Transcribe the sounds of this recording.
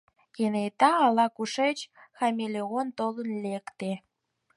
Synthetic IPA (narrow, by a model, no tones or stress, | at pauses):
jenet̪ɑːlɑkuʃet͡ɕxɑmʲelʲeɣont̪olənlʲekt̪e